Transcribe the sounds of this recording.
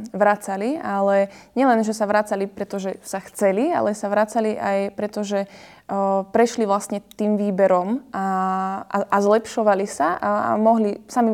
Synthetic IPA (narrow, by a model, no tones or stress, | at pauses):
ʋɾaːt͡salialɛɲɪɛlɛnʒɛsaʋɾaːt͡salipɾɛt̪ɔʒɛsaxt͡sɛlia̰lɛsaʋɾaːt͡saliʔajpɾɛt̪ɔʒɛ | pɾɛʃliʋlasɲɛt̪iːmʋiːbɛɾɔmaaʔazlɛpʃɔʋalisaa̰mɔɦlisami